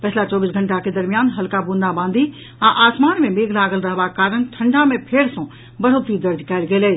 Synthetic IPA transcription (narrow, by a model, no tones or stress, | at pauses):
pɐt͡ʃʰlat͡ʃɔːbiːsɡʱɐ̃ɳʈaked̪ɐɾmijaːnɦɐlkabũːnd̪abãːnd̪ʱi | ãʔaːsmaːnmẽmeːɡlaːɡəlɾɐɦʋakaːɾənʈʰɐ̃ɳɖʱamẽpʰeːɾsõ | bɐɽ̤ot̪id̪ɐɾd͡ʒkaːlɡeːle